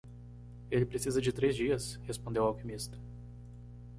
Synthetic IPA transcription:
elɪpɾesizɐd͡ʒɪt̪ɾezd͡ʒiɐshespõnd̪ewawkimist̪ɐ̥

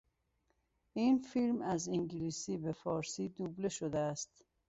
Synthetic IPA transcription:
iːnfilmæziŋɟiliːsiːbefɒːɾsiːd̪uːbleʃod̪eæst̪

